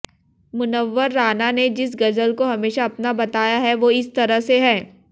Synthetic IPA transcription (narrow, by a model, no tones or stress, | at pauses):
mʊnəʋːəɾːaːnaned͡ʒɪs̬ɡɐzəlkoɦɐmeːʃaɐpnabɐt̪aːjaɦɛʋoɪst̪ɐɾəɦseɦɛ̃ː